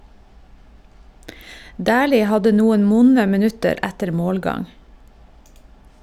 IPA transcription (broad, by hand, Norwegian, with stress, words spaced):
ˈdæːliː ˈhɑdə ˈnuːən ˈʋʊnə mɛˈnʉtəɾ ˈætəɾ ˈmoːlˌɡɑŋ